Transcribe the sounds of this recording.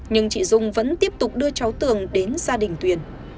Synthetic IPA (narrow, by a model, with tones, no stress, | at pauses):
ɲɨ˧ŋt͡ɕḭ˧˨zʊ˧ŋ͡mvə̰˧˥nt̪i˦˥əp̚t̪ʊ˨˩k͡p̚ɗɨ˧ət͡ɕɔ˨˦wt̪ɨ˨˩əŋɗe˨˦nzaː˧ɗï˨˩ŋ̟t̪wi˨˩ən